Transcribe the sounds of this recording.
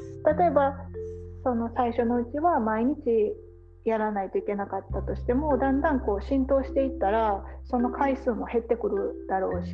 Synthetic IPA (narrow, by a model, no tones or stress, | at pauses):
t̪at̪o̞e̞ba | so̞no̞saiɕo̞no̞ɯ̟t͡ɕiβamaiɲ̟it͡ɕi | jaɾanait̪o̞ike̞nakat̪ːat̪o̞ɕi̥t̪e̞mo̞d̪ãnd̪ãŋko̞ːɕĩnt̪o̞ːɕi̥t̪e̞it̪ːaɾaso̞no̞kʰaisɨːmo̞he̞t̪ːe̞kɯ̟ɾɯ̟d̪̥aɾo̞ːɕi̥